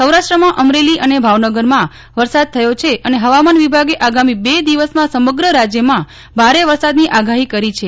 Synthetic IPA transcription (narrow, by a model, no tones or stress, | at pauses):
səwɾaʃʈɾəmãʔəmɾeliʔənebʱaʋnəɡəɾmã | ʋəɾsad̪̚t̪ʰəjot͡ʃʰeʔəneɦəʋamanʋibʱaɡeʔaɡamibed̪iʋəsmãsəməɡɾəɾad͡ʒjəmã | bʱaɾeʋəɾsad̪niʔaɡaɦikəɾit͡ʃʰe